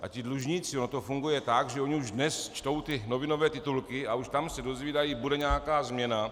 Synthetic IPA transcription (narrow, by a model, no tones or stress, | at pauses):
ʔa̰cɪdluʒɲiːt͡sɪonot̪o̞fuŋɡujɛt̪aɡʒɛoɲɪuʒdnɛst͡ʃt̪o̞wt̪ɪno̞vɪno̞vɛːt̪ɪt̪ulkɪauʃt̪amsɛdo̞zviːdajiːbudɛɲaːakaːzmɲɛna